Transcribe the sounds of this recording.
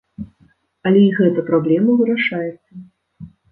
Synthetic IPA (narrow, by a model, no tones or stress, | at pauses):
ɐlʲɛiɣɛt̪ɐpɾablʲɛmɐvɨɾaʂajɛt̪sːɐ